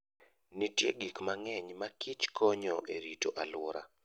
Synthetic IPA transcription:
nitjḛɡikmaŋɛɲmakʰɪt͡ʃkɔɲɔʔeɾitoʔalwɔɾa̰

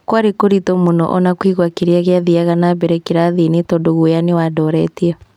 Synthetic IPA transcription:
kwaɾekoɾitɔmonɔ̰ʔɔnakwiɣwakeɾeaɣeaðiaɣanabɛɾɛkeɾaðinetɔdoɣujanewadɔɾɛtiɛ

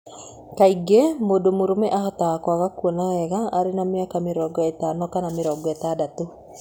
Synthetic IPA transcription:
kaiɡemodomoɾomɛʔahɔtakwaɣakuɔnaɣɛɣaʔːɾenameakameɾɔɡɔetaːnɔkanameɾɔɡɔɛtadato

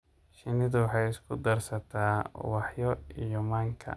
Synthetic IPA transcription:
ʃɪnɪdʊwħɑjɪskʰʊd̪ɐrsɐt̪ʰaːwɑħjɔijɔmaːŋkʰɐ̰

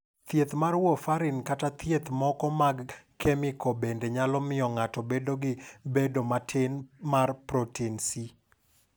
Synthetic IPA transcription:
t̪jet̪marwɔfaɾɪnkatat̪jet̪mɔkɔmaɡkʰɛmɪkɔbendeɲalɔmɪɔŋatɔbedoɡɪbedomatʰɪnmarpɾotʰinsi

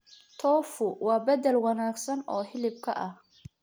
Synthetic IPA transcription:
t̪ʰɔːfʊwɑːbɐd̪ɛlwɑnaːɡsɐnɔːhɪlɪb̚kʰɐ̰ʔɐh

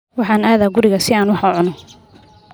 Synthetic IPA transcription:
wɑħɑːnaːðaːɡʊɾɪɣɐsɪaːnwɑħʊʕʊnɔ

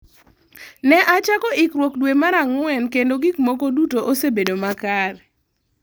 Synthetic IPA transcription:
nɛʔat͡ʃakɔʔɪkɾwɔkdwemaɾaŋʊwɛnkendoɡikmokodutoʔosebedomakar

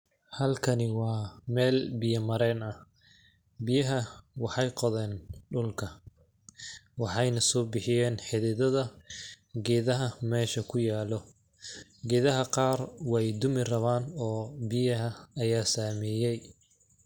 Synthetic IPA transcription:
hɐlkʰɐnɪwɑːmɛːlbɪjɐmɐɾɛːnɐh | bɪjɐɦɐwɑħɑjqɔðɛːnɖʊlkʰɐ | wɑħɑjnɐsɔːbɪħɪjɛːnħɪðɪðɐðɐ | ɡɛːðɐɦɐmɛːʃɐkʰʊjaːlɔ | ɡɛːðɐɦɐqɑːrwɛjd̪ʊmɪrɐβaːnɔːbɪjɐɦɐɐjaːsaːmɛːjɛj

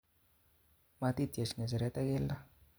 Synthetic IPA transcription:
mat̪id̪iasinazaɾet̪aɡelːa

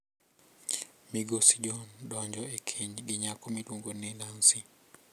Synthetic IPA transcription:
miɡosid͡ʒɔndɔɲd͡ʒɔekʰiɲɡɪɲakɔmidwoŋɡonilansi

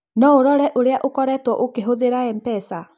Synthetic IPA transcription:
nɔoɾɔɾɛʔoɾeaʔokɔɾɛtwɔʔokeɦoðeɾaɛmpɛsa

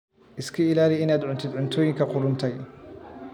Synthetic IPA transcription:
ʔɪskʰɐɪlaːlɪɪnaːd̪ʕʊnt̪ʰɪd̪ʕʊnt̪ʰɔːjɪŋkʰɐqʊɾʊnt̪ʰɛj

